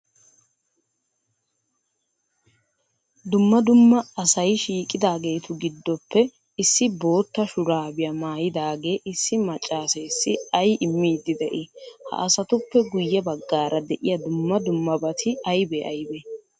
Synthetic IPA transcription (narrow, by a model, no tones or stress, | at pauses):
d̪ʊmːɐd̪ʊmːɐɐsɐjʃiːkʼːɪd̪aːɡe̞ːt̪ʊɡɪd̪ːɔpʰːɛ | ɪsːɪbo̞ːt̪ːɐʃʊɾaːbɪjɐmaːjɪd̪aːɡe̞ːʔɪsːɪmɐt͡ʃʼːaːseːsːɪɐjɪmːiːd̪ɪd̪ɛʔɪhɐ̰ʔɐsɐt̪ʊpːɛɡʊjːɛbɐɡːaːɾʔɐd̪ɛʔɪjɐd̪ʊmːɐd̪ʊmːɐbɐt̪ʰɪɐjbeʔɐjbɛ